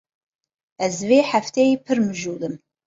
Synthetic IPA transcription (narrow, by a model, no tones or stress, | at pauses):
ɐzveːħaftʰeipʰɨrmɨʒuːlɨm